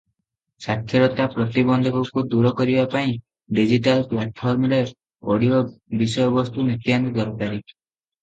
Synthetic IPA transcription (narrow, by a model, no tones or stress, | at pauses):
sakʰjɔɾɔt̪apɾɔt̪ibɔnd̪ʱɔkukud̪uɾɔkɔɾibapaĩ | ɖid͡ʒiʈalplaʈ̚pʰɔɾmɔɾe | oɽiobisɔjɔbɔst̪unit̪jand̪ɔɾupaɾi